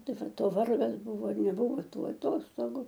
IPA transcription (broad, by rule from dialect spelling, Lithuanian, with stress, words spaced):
ˈtɐɪ ˈʋɐt oː ˈʋɐrɡɐs ˈbʊʋoː ɪr nʲɛˈbʊʋoː ˈtuː ɐˈtoːstoːɡʊ